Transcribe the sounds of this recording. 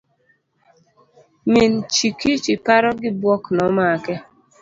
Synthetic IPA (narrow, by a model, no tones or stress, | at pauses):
mint͡ʃikit͡ʃipaɾɔɡɪbwɔknɔmakɛ